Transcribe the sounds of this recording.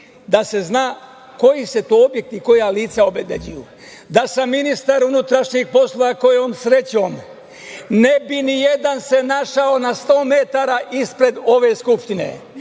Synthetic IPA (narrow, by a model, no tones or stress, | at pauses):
d̪ase̞znaː | ko̞jise̞t̪oːobje̞k̚t̪iko̞jaliːt̪saobebed͡ʑuju | d̪asamːinist̪aɾunut̪ɾaʃɲixpo̞slˠoʋako̞jeoːmsɾe̞t͡ɕoːm | nebinijed̪anse̞naʃao̞nast̪o̞ːme̞t̪aɾaʔispɾe̞d̪o̞ʋe̞ːskupʃt̪inḛ